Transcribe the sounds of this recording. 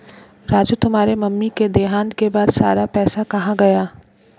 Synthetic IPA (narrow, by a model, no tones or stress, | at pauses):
ɾaːd͡ʒjut̪ʊmɦaːɾemɐmːiked̪eːɦaːnkebaːd̪saːɾapɛːsakɐɦãɡɐjaː